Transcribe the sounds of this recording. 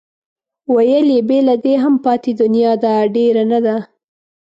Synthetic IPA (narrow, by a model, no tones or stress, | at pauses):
wajəlebelad̪eɦampɑt̪ed̪ʊnjɑd̪aɖeɾanad̪a